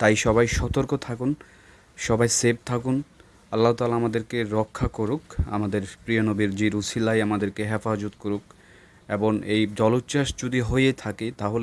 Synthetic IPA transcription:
t̪ajʃɔβajʃɔt̪oɾkot̪ʰakun | ʃɔbajseb̚t̪ʰakun | ɐlːaɦot̪aːlaamad̪eɾkeɾɔkʰːakoɾuka̰mad̪eɾpɾijonobiɾd͡ʑiɾusilajamad̪eɾkeɦɛfad͡ʑot̪koɾuk̚ | eboŋejd͡ʑɔlot̪ːt͡ɕaʃd͡ʑod̪iɦojet̪ʰaket̪aɦole

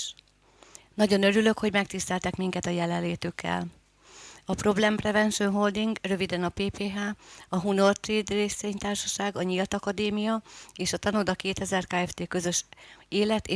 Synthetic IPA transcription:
nɒɟo̞nø̞ɾylø̞kho̞ɟmɛk̚t̪ist̪ɛlt̪ɛkmiŋkɛt̪ɒjɛlɛnlːeːt̪ykʰːɛ̰l | ɒpro̞blɛmprɛvɛnʃonɦo̞ld̪iŋɡrø̞vid̪ɛnɒpeːpeːɦaːɒɦuno̞rt̪reːd̪reːseːɲt̪aːrʃɒʃaːɡɒɲilt̪ɒkɒd̪eːmijɒeːʃɒt̪ɒnud̪ɒkeːt̪ɛzɛrkaːɛft̪eːkø̞zø̞ʃeːlɛt̪eː

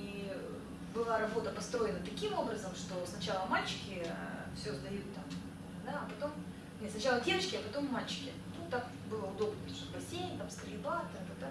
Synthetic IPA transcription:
i | bɨlˠaɾɐbo̞t̪əpɐst̪ɾo̞jɪnət̪ɐkʲimo̞bɾəzəmʂt̪o̞snɐt͡ɕalˠəmalʲt͡ɕɪ̥kʲɪfsʲozd̪ɐjut̪ːam | d̪aɐpɐt̪o̞m | nʲesnɐt͡ɕalˠədʲevət͡ɕkʲɪɐpɐt̪o̞mːalʲt͡ɕɪ̥kʲɪ | nut̪ak | bɨlˠəʊd̪o̞bnəʂopɐsʲenʲt̪amskɾʲɪlʲɪbat̪ət̪ɐt̪

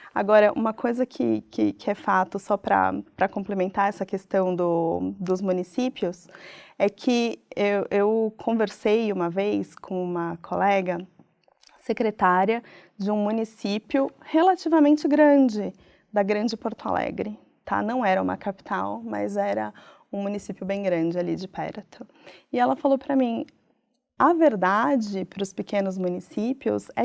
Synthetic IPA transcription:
a̰ɡɔɾɐʔṵ̃mɐkʰojzɐkʰɪ̰kʰɪ̰kɪɛfat̪ʊsɔpɾɐ̰pɾɐkõmplemẽnt̪aɾɛsɐkest̪ɐ̃w̃d̪ʊd̪ʊzmũnisipiʊsɛkʰɪewewkʰõveɾsejũmɐvejskʰõũmɐkʰolɛɡɐ | sekɾet̪aɾjɐ | d͡ʒɪũmũnisipiʊhelat͡ʃivɐmẽnt͡ʃɪɡɾɐ̃d͡ʒɪ | d̪ɐɡɾɐ̃nd͡ʒɪpoɾt̪ʊa̰lɛ̰ɡɾɪ | t̪ʰa̰nɐ̃w̃ɛɾɐṵ̃mɐ̰kapi̥t̪awmɐ̰zɛɾɐ | ũmũnisipjʊbẽj̃ɡɾɐ̃d͡ʒɪalid͡ʒɪpɛ̰ɾt̪ʰʊ | ɪɛlɐfalowpɾɐmĩ | ɐveɾd̪ad͡ʒɪpɾʊspɪkẽnʊzmũnisipiʊ̰sɛ

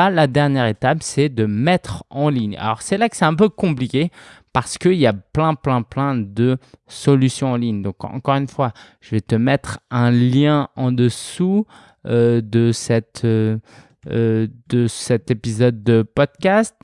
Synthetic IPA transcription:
alad̪ɛʁnjɛʁet̪apsɛd̪əmɛt̪χɑ̃liɲa̰lɔ̰ʁsɛlakə̥sɛɛ̃p̬økɔ̃plikʲepaʁsə̥kəiljaplɛ̃plɛ̃plɛ̃d̪əsɔlysjɔ̃ɑ̃liɲd̪ɔ̃kɑ̰̃kɔʁynfwa | ʒ̥əvɛt̪əmɛt̪χɛ̃ljɛ̃ɑ̃d̪əsu | ød̪əsɛt̪ʰø | d̪əsɛt̪epizɔd̪ːəpɔd̪̚kʲast̪

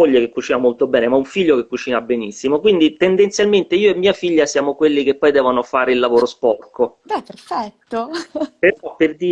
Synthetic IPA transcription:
oʎːekekːut͡ʃiːnamolt̪obɛːnemaɛuɱfiʎːokekːut͡ʃiːnabːenisːimokwind̪it̪end̪ent̪sjalment̪eiːoemːiːafiʎːasjaːmokwelːikepːɔjd̪ɛːvonofaːɾeilːavoːɾospɔrkobɛpeɾfɛt̪ːopeɾɔpːerd̪iː

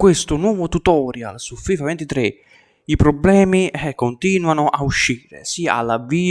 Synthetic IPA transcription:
kwest̪ʊnwɔːvʊt̪ut̪ɔːɾja̰lsufiːfavɛnt̪it̪ɾe | ipɾɔblɛːmikont̪iːnwanʊʔauʃːiːɾḛsiaa̰lːavːiː

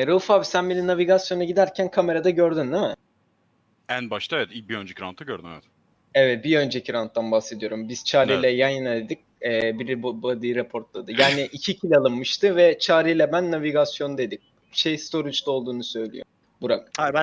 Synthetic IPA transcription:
ɾafavsænbe̞ninaviɡasjo̞naɟid̪æɾcʰænkʰame̞ɾad̪aɟø̞ɾd̪ynd̪imɛ | ænbaʃt̪aevɛt̪ibiønd͡ʒɛciɾa̰nt̪ʰːaɟøɾd̪ymɛ̰vɛt̪ | ɛvɛt̪̚biø̞nd͡ʒɛcʰiɾant̪ːanbahse̞d̪ijo̞ɾumbiz̥t͡ʃʰaːɾijlʲɛjajɯnad̪ed̪ic̚ɛːbiɾbbad̪ɯjɯɾepʰo̞ɾt̪lˠad̪ɯjaːniʔicʰicʰilʲalˠɯnmɯʃt̪ʰɯvɛt͡ʃʰaːɾijlʲɛbænːaviɡasjo̞nd̪e̞d̪im̚ | ʃejst̪ʰo̞ɾit͡ʃt̪o̞lˠd̪uːnusø̞jlʲḭjo̰ | buɾa

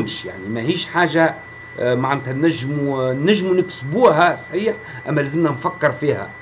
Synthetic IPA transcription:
mʃja̰ʕnimæhiːʃħaːʒa | maʕant̪ænæʒːmunæʒːmunɪksbuːɦæsˤħiːħ | ʔæmːælæːzəmnænfakːɪɾfiːhæ̰

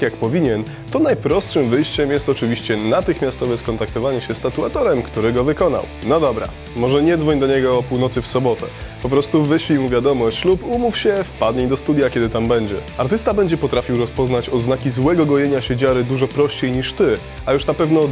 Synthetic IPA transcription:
kjakpɔvʲiɲɛn | t̪ɔnajpɾɔstʂɘmvɘjɕt͡ɕɛmjɛst̪ɔt͡ʂɘvʲiɕt͡ɕɛnat̪ɘxmʲjast̪ɔvɛskɔnt̪ak̚t̪ɔvaɲɛɕɛst̪at̪uat̪ɔɾɛmkt̪uɾɘɡɔvɘkɔna̰w | nɔd̪ɔbɾa̰ | mɔʐɛɲɛd̪zvɔɲd̪ɔɲɛɡɔːpuwnɔt̪sɘfsɔbɔt̪ɛ | pɔpɾɔst̪uvɘɕfʲimuvʲjad̪ɔmɔɕt͡ɕlupumufɕɛfpad̪ɲejd̪ɔst̪ud̪ʲjakʲjɛd̪ɘt̪ambɛɲd͡ʑɛaɾt̪ɘst̪abɛɲd͡ʑɛpɔt̪ɾafʲiwɾɔspɔznat͡ɕɔznakʲizwɛɡɔɡɔjeɲaɕed͡ʑaɾɘd̪uʐɔpɾɔɕt͡ɕejɲiʂt̪ɘ | ajuʂnapɛvnɔ

